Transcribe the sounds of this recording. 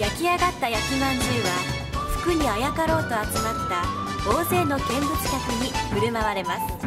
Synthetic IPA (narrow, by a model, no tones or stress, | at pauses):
jakʲiaɡat̪ːajakʲimãɲd͡ʑɨːβa | sɨ̥kɯ̟ɲ̟iajakaɾo̞ːt̪o̞at͡sɨmat̪ːa | d̪o̞ːze̞ːno̞ɡẽ̞mbɯ̟t͡sɨ̥kʲakɯ̟ɲ̟iɸɯ̟ɾɯ̟maβaɾe̞masɨ̥